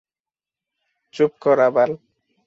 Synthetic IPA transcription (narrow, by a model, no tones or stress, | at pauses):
t͡ʃup̚kʰɔɾabal